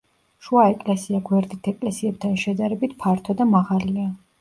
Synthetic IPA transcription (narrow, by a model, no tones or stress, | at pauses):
ʃuaɛkʼlɛsiaɡwɛɾd̪it̪ʰɛkʼlɛsiɛb̚t̪ʰanʃɛd̪aɾɛbit̪ʰpʰaɾt̪ʰɔd̪amaʁalia